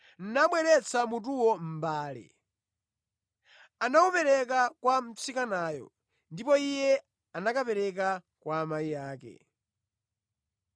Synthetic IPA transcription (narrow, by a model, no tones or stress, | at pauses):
n̩naɓwɛɾɛt͡sʰamut̬uwɔm̩baːlɛ̰ | anakupɛɾɛk̬akwam̩t͡sikanaːjɔ̰ | ndipɔijɛ | anakapɛɾɛk̬a | kwaːmaijaːkɛ̰